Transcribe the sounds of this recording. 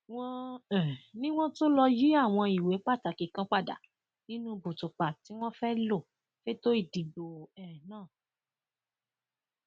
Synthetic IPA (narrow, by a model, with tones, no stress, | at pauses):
w̃ɔ̃˦ɛ̃˨nĩ˦w̃ɔ̃˦to˦lɔ˧ji˦a˦˨w̃ɔ̃˧i˨we˨˦k͡pa˦˨ta˨ki˨kã˦k͡pa˦˨da̰˨ | nĩ˦nũ˦˧bu˨tu˨k͡pa˨ti˨˦w̃ɔ̃˦fɛ˦lo˦˨ | fe˦to˦i˦˨di˨bo˨ɛ˨nãː˦˨